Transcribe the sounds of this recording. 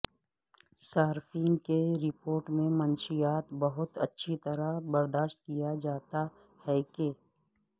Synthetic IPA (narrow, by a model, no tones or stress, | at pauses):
saːɾfiːnkeɾɪpoːɾʈmẽmɐnʃijaːt̪bɐɦʊt̪ɐ̰tːʃʰit̪ɐɾabɐɾd̪aːʃt̪̚kijad͡ʒaːt̪a | hɛːke